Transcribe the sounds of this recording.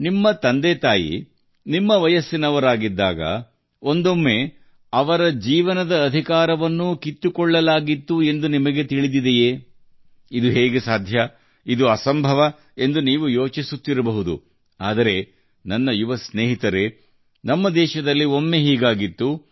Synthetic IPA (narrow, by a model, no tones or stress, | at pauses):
nimːɐt̪ɐnd̪et̪aːjḭ | nimːɐʋɐjɐsːinɐʋɐɾaːɡid̪ːaːɡɐ̰ | o̞nd̪o̞mːe̞ | ɐʋɐɾɐd͡ʒiːʋɐnɐd̪ɐːd̪ʱikaːɾɐʋɐnːukit̪ːukɔɭːɐlaːɡit̪ːue̞nd̪unimɐɡe̞t̪iɭid̪id̪ejeː | id̪uɦeːɡesaːd̪ʱjɐ | id̪uɐsɐmbʱɐʋɐ | e̞nd̪uniːʋujo̞ːt͡ʃisut̪ːiɾɐbɐɦud̪ṵ | aːd̪ɐɾe̞ | nɐnːɐjuʋɐsneːɦit̪ɐɾe̞ | nɐmːɐd̪ɛːʃɐd̪ɐlːio̞mːe̞ɦiːɡaːɡit̪ːu